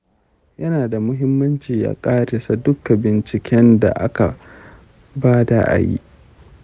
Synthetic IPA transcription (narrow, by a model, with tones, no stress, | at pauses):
jɐ˦naː˨da˨mʊ˦ɦɪ˦mːɐ˦nt͡ʃiː˨ja̰ː˦kʼaː˦ɾɪ˨sa˨dʊ˦kːa˨bɪ˨nt͡ʃɪ˨kʲʰɛ˦nda̰˨ʔa˦ka˨ | baː˦da̰˦ʔa̰˨jḭ˦ʔ